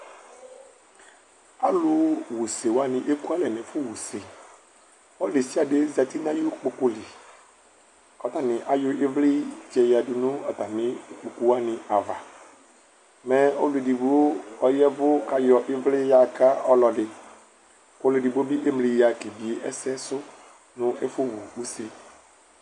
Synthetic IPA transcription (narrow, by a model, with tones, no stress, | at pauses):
a˨lʊ˨wu˨se˨wa˦nɪ̃˨ʔe˦ku˦a˦lɛ˨nɛ̃˨fʊ˦wu˨se˨ | ɔ˦le˨si˦a˨de˦zɛ˨t̪i˦nã˦jo˦k͡po˨kʊ˦li˨ | ɔ˨t̪a˨nɪ̃˨ʔa˨jo˦ʔɪ˦vlɪ˦d͡ʒɛ˨ja˨du˨nũ˦ɔ˨t̪a˨nɪ̃˨˦k͡pu˨ku˨wa˦nɪ̃˨a˨va˨ | mɛ˦o˦lu˨e˨di˨bu˨wo˦ɔ˦jɛ˦vʊ˦ka˨jɔ˨ʔɪ˦vlɪ˦ja˨ka˦ɔ˦lɔ˨dɪ˨ | ko˦le˨di˨bo˦bi˦ʔe˦mli˨ja˨ke˨bi˨e˦ʔɛ˦sɛ˦sʊ˦ | nʊ̃˦e˦fʊ˦wu˨wu˦se˨